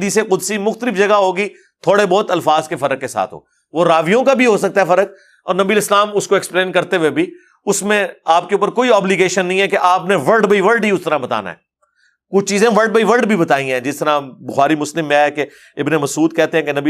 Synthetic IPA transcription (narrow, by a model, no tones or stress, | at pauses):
d̪iseqʊd̪simʊxt̪əlɪfd͡ʒɐɡaɦoːɡi | t̪ʰoːɽebɔːt̪ɐlfaːzkefɐɾəkːesa̰ːt̪ʰɦo̰ː | ʋoɾaːʋijõkabʱiɦosɐk̚t̪aɦɛfɐɾək̚ | ɔ̰ːɾnɐbiəlɪslaːmʊskoɛkspleːnkɐɾt̪eʋebʱi | ʊsmẽaːp̚keuːp̬əɾkoːiɔːbliɡeːʃənːɐɦĩɦɛkeʔaːpneʋɐɾɖbəiʋəɾɖiʊst̪əɾãbɐt̪a̰ːna̰ɦɛ̰ː | kʊt͡ʃʰt͡ʃiːzẽʋəɾɖ̚bəiʋəɾɖbʱibɐt̪aːĩɦɛ̃ːd͡ʒɪst̪əɾãbʊxaːɾimʊslɪmːẽɦɛke | ɪbnemɐsuːd̪̚kɛɦt̪ẽɦɛ̃kenɐbi